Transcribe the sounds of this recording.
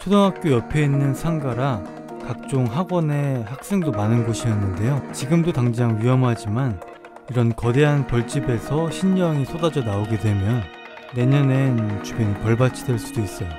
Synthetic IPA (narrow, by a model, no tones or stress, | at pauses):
t͡ɕʰodoŋɦak̚k͈jojʌpʰjeinːɯnsʰaŋɡaɾa | kak̚t͡ɕ͈oŋɦaɡwʌne̞hak̚s͈e̞ŋdomanɯnɡoɕʰijʌnːɯnde̞jot͡ɕiɡɯmdotaŋd͡ʑaŋɥiʌmɦad͡ʑiman | iɾʌnkʌde̞ɦanpʌɭt͡ɕ͈ibe̞sʰʌɕʰiɲːʌŋis͈ʰodad͡ʑʌnaoɡe̞dwe̞mjʌnː | e̞ɲʌne̞nt͡ɕubenipjʌɭbat͡ɕʰidweɭs͈udois͈ʌjo